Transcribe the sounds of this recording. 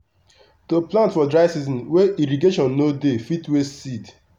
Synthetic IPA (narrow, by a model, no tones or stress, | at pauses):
toplãntfɔdɹaɪsizɔ̃nweiɾiɡeʃɔ̃nːodefitwesid